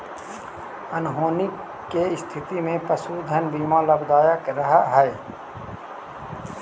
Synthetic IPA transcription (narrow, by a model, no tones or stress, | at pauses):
ənɦoːnɪkː | eɪst̪ʰɪt̪imẽpəsud̪ʱənbiːmãləbd̪aːjakɾəɦaɦɛː